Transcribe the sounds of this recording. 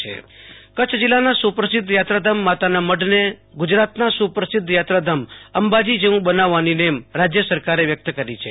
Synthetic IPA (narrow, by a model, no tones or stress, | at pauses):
ḛkət͡ʃʰd͡ʒilːanasupɾəsɪd̪ʱːjat̪ɾad̪əmːat̪anaməɖneɡʊd͡ʒɾat̪nasupɾəsɪd̪ʱːjat̪ɾad̪ʱəməmbad͡ʒid͡ʒeʋũbənaʋːaninemɾad͡ʒjəsəɾkaɾeʋjək̚t̪kəɾit͡ʃʰḛ